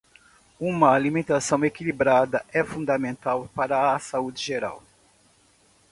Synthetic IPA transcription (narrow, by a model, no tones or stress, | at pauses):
ũmɐːlimẽnt̪asɐ̃w̃ekilibɾad̪ɐʔɛfũnd̪ɐmẽnt̪awpaɾɐːsaud͡ʒɪʒeɾa̰w